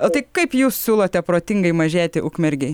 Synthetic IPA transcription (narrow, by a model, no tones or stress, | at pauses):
t̪ɐɪkɐɪpjuːssʲuːlˠot̪ʲɛpɾoːt̪ʲɪŋɡɐɪmɐʒʲæːt̪ʲɪʔuːkmʲɛɾʲɡʲɛɪ